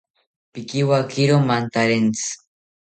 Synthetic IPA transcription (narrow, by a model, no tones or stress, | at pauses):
pikiwakʰiɾomant̪aɾent͡sɨ̥